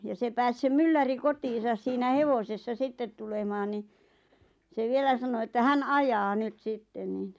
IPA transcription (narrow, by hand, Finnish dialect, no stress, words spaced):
jɑ se pæːs se mylːæri kotiːsɑs siːnæ heʋosesːɑ sitːet tulemɑːn ni se ʋielæ sɑno etːæ hæn ɑjɑː nyt sitːen niˑn